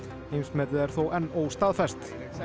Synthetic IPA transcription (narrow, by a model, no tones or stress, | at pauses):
ejnsmɛːt̪ɪðɛɾ̥θowʔɛnːoːwst̪aːðfɛst̪